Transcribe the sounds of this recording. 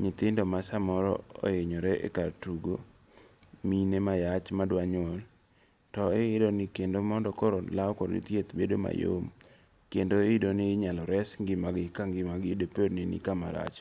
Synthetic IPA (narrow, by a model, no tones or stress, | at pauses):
ɲɪt̪ɪndɔmasamɔɾɔ̰o̰eɲoɾeʔḛkartuɡo | minemajat͡ʃmadwaɲol | tɔɪɪdonɪkendomɔndɔkɔɾolaɔkɔɾḭt̪jet̪bedoma̰jo̰m | kendoɪɪdonɪɲalɔɾɛsŋɡɪmaɡɪkaŋɡɪmaɡɪdopednɪnɪ̰kamaɾa̰t͡ʃ